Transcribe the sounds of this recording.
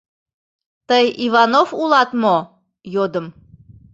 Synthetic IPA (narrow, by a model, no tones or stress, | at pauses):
t̪əjiβɑnofulˠɑt̪mo | jod̪ə̆m